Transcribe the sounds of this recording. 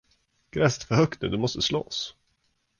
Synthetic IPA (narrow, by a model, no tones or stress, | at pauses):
ɡ̥ɾɛst̪fœɾhœkt̪̚əd̪ɵmɔst̪əslɔ̰s